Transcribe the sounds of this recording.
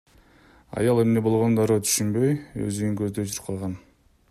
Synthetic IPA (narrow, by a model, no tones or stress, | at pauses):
ɑ̰jɑlˠe̞mne̞bo̞lˠʁo̞nd̪ɑɾoːt̪ʰy̥ʃynbø̞jø̰zyiŋkøzd̪ød͡ʒʰyɾpqʰɑlˠʁɑn